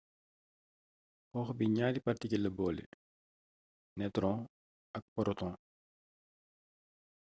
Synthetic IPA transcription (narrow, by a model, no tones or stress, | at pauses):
xɔːxbiɲaːdipɐrtikilɐbɔːlḭ | nɛtɾɔ̃ː | ʔɐk̚pɔɾɔtɔ̃ː